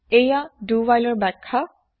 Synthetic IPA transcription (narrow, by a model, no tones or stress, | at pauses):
ejaduwajlɔɹbɛkʰːa